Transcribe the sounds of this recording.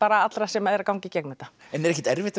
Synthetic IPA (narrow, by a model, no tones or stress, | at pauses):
paːɾaat̪lɾasɛmaɛɾakawŋcɪcɛknɛt̪aɛnɛɾɛçcːɛt̪ɛɾvɪht̪ɪ